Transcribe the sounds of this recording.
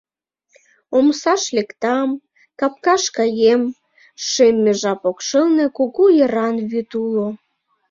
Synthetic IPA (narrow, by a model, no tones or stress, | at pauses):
omsɑʃlekt̪ɑm | kɑp̚kɑʃkɑjem | ʃemːeʒɑpokʃəlnekokujəɾɑnβyt̪ulo